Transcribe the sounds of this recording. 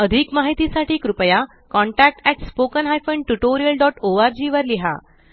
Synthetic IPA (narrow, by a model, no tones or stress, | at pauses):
əd̪ʱikmaɦit̪isaʈʰiːkɾupəja | kɔɳʈæk̚ʈɛʈspokənɦajfəɳɖʈuʈoɾijəlɖɔʈoaɾd͡ʑiːʋəɾliɦa̰